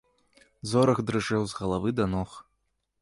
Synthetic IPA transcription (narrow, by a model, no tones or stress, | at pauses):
zɔɾɐɣd̪ɾɨʐɛwzɣɐlˠavɨd̪ɐnɔx